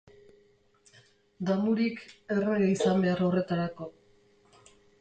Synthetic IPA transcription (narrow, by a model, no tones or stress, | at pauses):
d̪amuɾike̞reɣeisambe̞aɾore̞t̪aɾako̞